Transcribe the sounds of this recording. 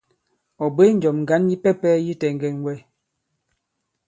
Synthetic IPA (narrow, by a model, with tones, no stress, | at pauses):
ɔ˨be˦n̩˦d͡ʒɔ˨mŋ̩˨ɡa˨˦nji˦pɛ˦pɛ˦ji˦tɛ˨ŋ˨ɡɛ˨nwɛ˦˨